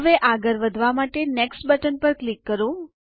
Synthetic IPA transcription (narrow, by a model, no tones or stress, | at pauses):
ʋeʔaɡəɾʋəd̪ʱʋamaʈeneksʈbəʈənpəɾklikːəɾũ